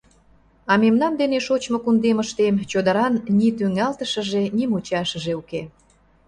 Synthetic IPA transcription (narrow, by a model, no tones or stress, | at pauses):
ɑmemnɑnd̪eneʃot͡ɕmokund̪eməʃt̪emt͡ɕod̪əɾɑnnit̪yŋɑlt̪əʃə̆ʒenimut͡ɕɑʃəʒeuke